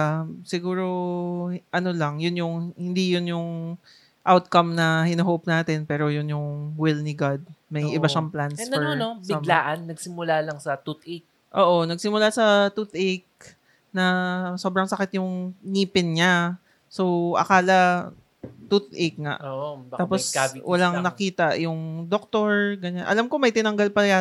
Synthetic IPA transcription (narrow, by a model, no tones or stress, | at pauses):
sɪɡuːɾo̞ | ʔɐno̞lɐŋjʊnjʊŋhɪnd̪ijʊnjʊŋ | ʔawt̪̚kɐmnɐhɪnɐɦop̚naːt̪ɛnpɛːɾo̞jʊnjʊŋwɪlnɪɡad̪̚mɐjjʔɪbaʃɐŋplansfɛonobɪlaːʔɐnːɐɡ̚sɪmʊlalɐŋsɐt̪ut̪ʔɛk̚ | ʔoːʔo̞nɐɡ̚sɪmʊlasɐt̪ut̪ʔɛk̚ | nɐsobɾɐŋsɐkɪt̪̚jʊŋniːpɪnɲa | so̞wʔɐ̰kaːlɐ | t̪ut̪ʔek̚ŋa̰ʔoʔ̪aːposwʔɐlaŋnɐkiːt̪ɐʔjʊŋd̪ok̚t̪o̞ɹɡɐɲanʔɐ̰lamkomɐjt̪ɪnɐŋɡalpɐja